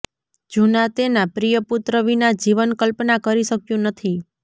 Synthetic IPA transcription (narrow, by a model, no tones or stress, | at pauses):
d͡ʒunat̪enapɾijəput̪ɾəʋinad͡ʒiʋənkəlpnakəɾiʃəkjũnət̪ʰi